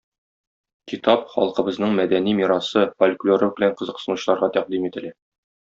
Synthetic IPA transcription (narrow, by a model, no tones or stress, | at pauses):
kit̪ɑpχɒ̰lˠqɤ̆bɤ̆znɤɴmæd̪ænimiɾɑsɤfolʲklʲoɾɘbɘ̆læɴqɤ̆zɤ̆qsɤ̆nuɕɤ̆lˠɑɾʁɑt̪æq̚d̪imit̪ɘ̆læ